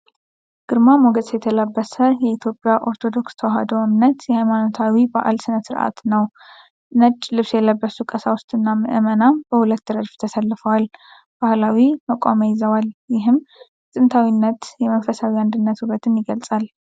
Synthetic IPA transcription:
ɡ̥ɨɾmamoɡəzjɛt̪ʰələbːəsəjɛit̪ʰjo̞pʼjaʔo̞ɾt̪ʰo̞d̪o̞kst̪ʰəwhad̪oʔɨmnət̪jɛhajmanot̪ʰawibaʔa̰lsɨnət̪sɨɾʔa̰t̪nəw | nət͡ʃʼːlɨβsjɛlːəbːəsukʼəsawʊst̪ʼɨnːamɨʔɨmənamb̥əhulət̪ːɨɾəd̪ft̪ʰəsəlːfəwal | b̥ahlawiməkʼaməjɪzəwaljɪɦɨm | sʼɨnt̪ʰawinːət̪jɛməfəsawiand̪ɨnːət̪uɾət̪ʰɨnjɪɡəlt͡sʼal

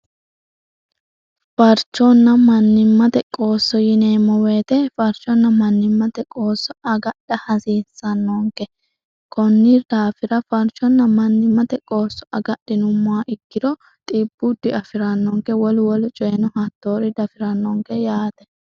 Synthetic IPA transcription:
fɐɾt͡ʃːɔnːɐmɐnːɪmːɐt̪ɛkʼo̞ːsːɔjɪneːmːɔwe̞ːt̪ɛfɐɾt͡ʃːɔnːɐmɐnːɪmːɐt̪ɛkʼo̞ːsːɔɐɡɐɗɐhɐsiːsːɐnːɔŋkɛ | kʼɔnːɪd̪̥aːfɪɾɐfɐɾt͡ʃɔnːɐmɐnːɪmːɐt̪ɛkʼo̞ːsːɔ̥ʔɐɡɐɗːɪnʊmːʊwaʔɪkːɪd̪ɔ | t̪ʼiːb̥ːʊd̪ːɪɐfɪɾɐnːɔŋkɛwɔlwɔlʊt͡ʃʼɔjɛnɔhɐt̪ːoːɾɪd̪ɐfɪɾɐnːɔŋkɛjaːt̪ɛ̥

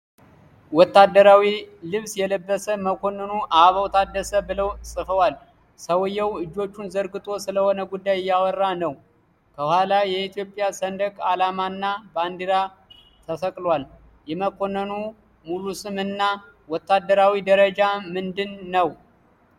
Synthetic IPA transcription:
wɔt̪ːad̪ːəɾawilɨβsjɛləbːəsəməkʰo̞nːənuʔaβəwt̪ʰad̪ːəsəbɨləwsʼɨfəwal | səwɨjːɛwɨd͡ʒːo̞t͡ʃːunzəɾɡɨt̪ʼo̞sɨləho̞nəɡud̪ːajɪjːawɔrːanəw | kʰəhalajɛit̪jo̞pʼjasənd̪əkʼalamanːaband̪iɾa | t̪ʰəsəkʼlwal | jɛməkʰo̞nːənu | mulusɨmɨnːa | wɔt̪ʰːad̪ːəɾawid̪əɾəd͡ʒamɨnd̪ɨnːəw

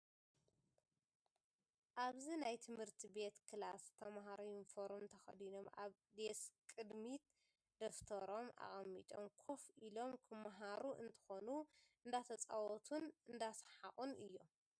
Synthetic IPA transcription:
ʔaβzinajt̪ʰɨmhɨɾt̪ʰibe̞t̪kʰɨlast̪ʰɐmɦaɾojinfoɾomt̪ʰɐxɐ̰d̪ino̞mʔa̰β | d̪eskʼɨd̪mit̪ | d̪̥oft̪ʰɐɾo̞mʔa̰ɣʼɐmːit̪ʼomkʰo̞filo̞mkʰɨmaɦaɾuʔɨ̰nt̪ʰɨ̥xo̞nuɨnd̪at̪ʰɐt͡sʼawɔt̪ʰunɨnd̪asħaχʼunɨjːom

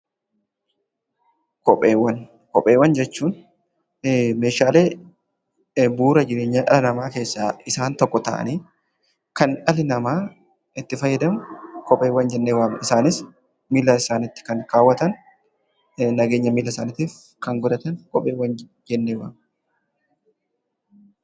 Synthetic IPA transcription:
kɔpʼːeːwːɐn | kɔpʼːe̞ːwːɐnd͡ʒɛt͡ʃːuːn | meːʃaːle̞ː | buːɾɐd͡ʒɪɾe̞ːɲːaːᶑɐlɐnɐmaːke̞ːsːaːɪsaːnt̪ɔkːɔt̪ɐ̰ʔɐ̰niː | kɐnᶑɐlɪnɐmaː | ɪt̪ːɪfɐjːɐd̪ɐmkɔpʼe̞ːwːɐnd͡ʒɛnːeːwaːmɪsaːnɪs | miːlɐɪsaːnɪt̪ːɪ̥kɐŋkaːwːɐt̪ɐn | nɐɡe̞ːɲːɐmiːlɐsaːnɪt̪iːf | kɐŋɡʊd̪ɐt̪ɐnkɔpʼeːwːɐn | d͡ʒɛnːeːwa̰ːm

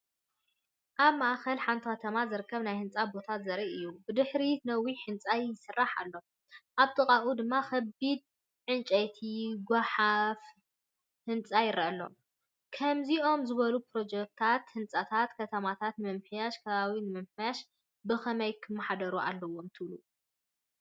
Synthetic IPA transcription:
ʔaβmaxɐlħant̪ʰɨxɐt̪ʰɐmazɨɾɨkʰːɐβnajhɨnt͡sʼabo̞t̪ʰat̪zɐɾiʔɨjːubɨd̪ɨħɾinɐwiħɨnt͡sʼajɪsɨrːaħa̰lːo̞ | ʔaβt̪ʼɨkʼaʔud̪ɨmːaxɐbid̪̚ | ʕɨnt͡ʃʼɐjt̪ʰiɡʷaħaf | hɨnt͡sʼajɪɾɐʔɐlːo̞̰ | kʰɐmziʔo̞mzɨβɐlupɾo̞d͡ʒɛk̚t̪ʰat̪hɨnt͡sʼat̪ʰat̪kʰɐt̪ʰɐmat̪ʰat̪nmɐmħjaʃkʰɐβaβinɨmɐmħjaʃ | bɨxɐmɐjkʰɨmːaħad̪ɐɾuʔa̰lːɐwomt̪ʰɨβlu

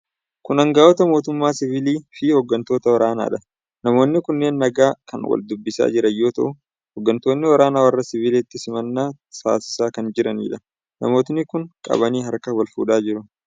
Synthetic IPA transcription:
kʊnɐŋɡaːɔt̪ɐmo̞ːt̪ʊmːaːsɪviliːfɪhɔɡːɐnt̪o̞ːt̪ɐwɐɾaːna̰ːᶑɐ | nɐmo̞ːnːɪkʊnːe̞ːnːɐɡaːkɐnwɐ̰ld̪ʊbːɪsa̰ːd͡ʒɪɾɐjːo̞ːt̪ɐʔʊ | hɔɡːɐnt̪o̞ːnːɪwɐɾaːnaːwɐrːɐsɪviːleːt̪ːɪsɪmɐnːaː | sa̰ːsɪ̥saːkɐnd͡ʒɪɾɐnḭːᶑɐ | nɐ̰mo̞ːt̪nɪkʊŋkʼɐ̰βɐniːɦɐɾkɐwɐlfṵːᶑaːd͡ʒɪɾʊ

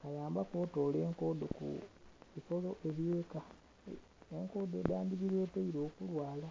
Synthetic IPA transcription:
kalaːmbakwoːto̞ːle̞ːŋko̞do̞kṵβifo̞lo̞ʔe̞βiweːka | eŋko̞ːdodaːndiβiɾeːteiɾoːkulwaːla

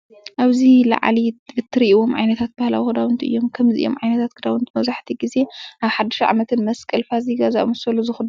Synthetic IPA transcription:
ʔaβzila̰ʕ̰lizɨt̪ʰːɨɾiʔiwomʕa̰jnɐt̪ʰat̪̚bahla̰wixɨd̪awɨnt̪ʰiʔɨ̰jːomkʰɐmziʔɨjo̰mʕajnɐt̪ʰat̪kɨd̪awɨnt̪ʰimɐβzaħt̪ʰiɡize̞ʔaβħad̪ɐʃɐʕa̰mɐt̪ʰɨnmɐskʼɐlfaziɡazaʔmɨsɐlozɨxud̪

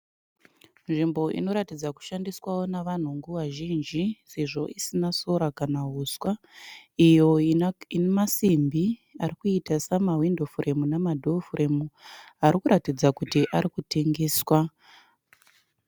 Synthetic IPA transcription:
nʐimbo̞ʔḭno̞ɾatid͡zaku̥ʃandiswawo̞naʋan̤uŋɡuʋaʒind͡ʒise̞ʐo̞ʔisinaso̞ɾakanaɦuːswa | ijo̞inemasimbiarikuitasamawindofurʔe̞munamadʱofurʔemu | aɾikuɾatid͡zakutiʔaɾikute̞ŋɡe̞ːswa

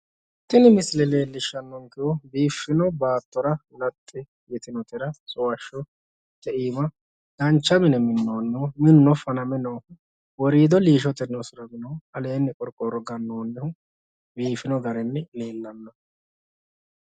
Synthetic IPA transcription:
t̪ɪnɪmɪslɛle̞ːlːɪʃːɐnːɔŋkɪwɔbiːfːɪnɔbaːt̪ːɔɾɐʊlɐt̪ʼːɪ | jɛt̪ɪnɔt̪ɪɾɐsʊwɐʃɔ | t̪ɛʔiːmɐ | d̪̥ɐnt͡ʃːɐbɪnɛmɪnːonːɛʊmɪnːɔfɐnɐmɛnɔʊ | wɔɾiːd̪ɔliːʃ̬ɔt̪ɛnɔsʊɾɐbɪnɐhʊɐle̞ːnːɪkʼɔɾkʼːɔɾɔɡɐnːoːnːɛhʊ | biːfɪnɔɡɐɾɛnːɪle̞ːlːɐnːɐ

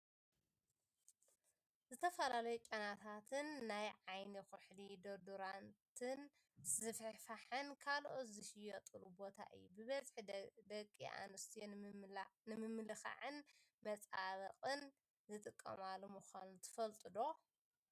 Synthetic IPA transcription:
zɨt̪ʰɐfɐlalɐjut͡ʃʼɐnat̪ʰat̪ʰɨnːajʕajnixʊħlid̪oɾd̪uɾant̪ʰɨn | zɨfħfaħɨnkʰalʔot̪zɨʃɪjot̪ʼɨlubo̞t̪ʰa̰ʔɨ̰jːubɨβɐzħd̪ɐkʼːḭʔa̰nɨst̪ʰij | nɨmɨmːlɨxa̰ʕɨnmɐt͡sʼaβɐqʼɨn | zɨt̪ʼɨkʼːɐ̰malumuxʷanut̪ʰɨ̥fɐlt̪ʼɨd̪o̞

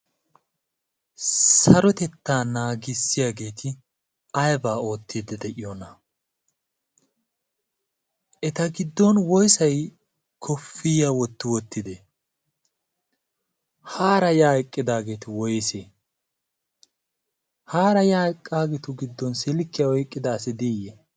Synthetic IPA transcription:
sɐɾɔt̪ɛt̪ːaːnaːɡɪsːɪjaːɡe̞ːt̪ʰɪ | ɐjbaːo̞ːt̪ːid̪ɛd̪ɛʔɪjonɐ | ʔɛt̪ɐɡɪd̪ːɔnwɔjsɐj | kʰɔfːɪjawɔt̪ːɪwɔt̪ːɪd̪ɛ | haːɾɐjaːjkʼːɪd̪aːɡe̞ːt̪ɪwɔjse | haːɾɐjaːjɪkʼːaːɡɛt̪ʊɡɪd̪ːɔnsɪlɪkːɪjawɔjkʼːɪd̪aːsɪd̪ijɛ

